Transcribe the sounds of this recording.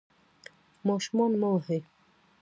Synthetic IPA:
mɔʃmɔnmɔɦe

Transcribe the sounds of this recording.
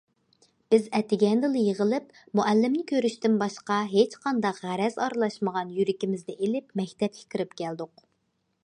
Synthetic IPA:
b̥ɪzɛt̪ʰɪɡʲɛnd̪ɨlˠɨjəʁəlˠɨp | muʔælːɪmnɪkʲʰøɾyʃt̪ɪnbɑʃqɑɦet͡ʃqʰɑnd̪ɑqʁæɾɛzɑɾɨlˠɑʃməʁɑnjyɾɪkʲimɪzd̪ɛʔelɪpmɛkʲt̪ɛp̚kʲʰi̥kʲɪɾɪpkʲæld̪ʊq

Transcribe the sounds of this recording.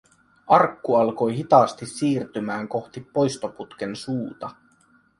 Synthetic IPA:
ɑrkːuɑlko̞jɦit̪ɑst̪isːiːrt̪ymæːŋko̞xt̪ipːo̞jst̪o̞put̪k̟ensuːt̪ɑ

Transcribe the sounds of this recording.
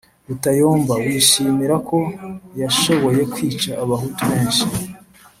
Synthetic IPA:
βutajoːmvawiːʃiːmiɾakʰo̞jaʃo̞βo̞je̞kwiːt͡ʃaʔːβaɦutuβeːnʃi

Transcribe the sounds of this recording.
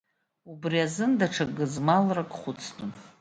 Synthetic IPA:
ubriazɨndaʈ͡ʂʰaɡɨzmalrakʼχʷʊt͡sʰtʰʼʊn

